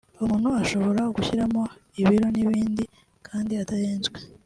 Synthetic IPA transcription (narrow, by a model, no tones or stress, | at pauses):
umuːn̥uaʃo̞βo̞ɾaɡuçiɾamo̞iβiɾo̞niβiːndi | kʰaːndiatajeːnzɡwe̞